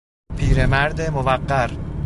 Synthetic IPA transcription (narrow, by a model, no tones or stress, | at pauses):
pʰiːɾemæɾd̪emovæqːæɾ